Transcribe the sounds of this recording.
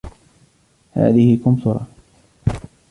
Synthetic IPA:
ha̰ːðɪhɪkʊmt̪ʊɾˤɑ̰

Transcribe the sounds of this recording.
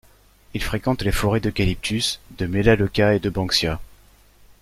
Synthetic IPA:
ilfχekɑ̃t̪lefɔʁed̪əkʲalip̚t̪ʰysd̪əmelalɔkʲaed̪əbɑ̃ksja

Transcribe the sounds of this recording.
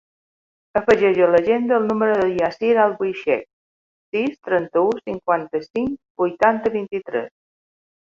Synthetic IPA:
əfəʒɛʒələʒend̪əːlˠnuməɾəðəliasiɾalˠbujʃɛ̰k̚ | sist̪ɾənt̪əusiŋkwant̪əsiŋkbujt̪ant̪əβint̪it̪ɾɛ̰s

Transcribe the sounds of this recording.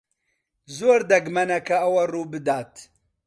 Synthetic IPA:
zoːɾd̪ɐɡmɐnɐkʰɐɐwɐruːbɨd̪aːt̪

